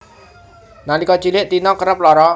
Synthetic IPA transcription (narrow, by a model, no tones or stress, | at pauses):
nalikɔt͡ʃilɪʔt̪inɔkəɾəp̚lɔɾɔ